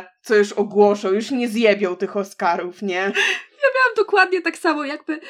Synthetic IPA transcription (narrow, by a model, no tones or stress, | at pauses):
t̪sɔjuʂɔɡwɔʂɛwjuʂɲɛzjɛbʲɔwt̪ɘxɔskaɾufɲɛjabɘwamd̪ɔkwad̪ɲɛt̪aksamɔjaɡbɘ